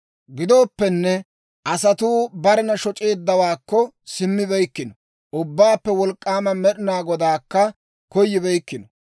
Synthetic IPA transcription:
ɡɪd̪oːpːɛnːɛ | ʔɐsɐt̪uːbɐɾɛnɐʃɔt͡ʃʼe̞ːd̪ːɐwaːkːɔ | sɪmːɪbɛjkːɪnɔ | ʔʊbːaːpːɛwɔlkʼːaːmɐmɛɗɪnaːɡɔd̪aːkːɐ | kɔjːɪbɛjkːɪnɔ

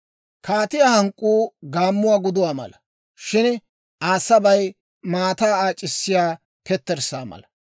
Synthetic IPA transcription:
kʰaːt̪ɪjaːhɐŋkʼːuːɡaːmːʊwaːɡʊd̪ʊwaːmɐ̰lɐ | ʃɪn | aːsɐbɐj | maːt̪aːaːt͡ʃʼːɪsːɪjaː | kɛt̪ːɛɾsa̰ːmɐ̰lɐ

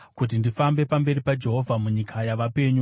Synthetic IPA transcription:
kut̬indifambe̞pambe̞ɾipad͡ʒe̞ɦo̞vʱamuɲikʰajaʋape̞ɲu

